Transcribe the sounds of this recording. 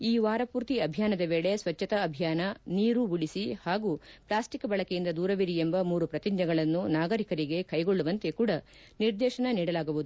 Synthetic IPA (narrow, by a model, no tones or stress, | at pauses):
iːʋaːɾɐpuːɾt̪iɐbʱjaːnɐd̪ɐʋeːɭe̞sʋɐt͡ʃːɐt̪ɐːbʱijaːnɐniːɾubuɭisihaːɡuplaːsʈikːɐbɐɭɐkejind̪ɐd̪uːɾɐʋiɾiembɐmuːɾupɾɐt̪iɲd͡ʒɐɡɐɭɐnːunaːɡɐɾikɐɾiɡe̞kɐjɡoɭːuʋɐnt̪e̞kuːɽɐ | niɾd̪ɛːʃɐnɐniːɽɐlaːɡuʋud̪u